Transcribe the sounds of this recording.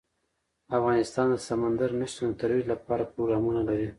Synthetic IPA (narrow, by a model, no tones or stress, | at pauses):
afɣɑnɪst̪ɑnd̪əsamand̪aɾniʃt̪onot̪aɾwilapɑɾapɾoɡɾɑmunalaɾi